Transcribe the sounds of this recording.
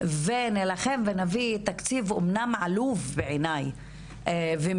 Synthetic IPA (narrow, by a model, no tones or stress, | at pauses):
venelaχe̞mvenavit̪akt͡sivomnamʕaluvbeʕenaj | ve